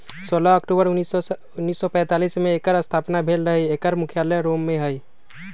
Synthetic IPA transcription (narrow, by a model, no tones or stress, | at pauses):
soːlaəkʈuːbəɾʊis | ʊnːiːsːɔpɛ̃ːt̪aːliːsmẽekəɾəst̪ʰaːpnabʱeːlɾəɦiekəɾmʊkʰjaləɾomːẽɦəj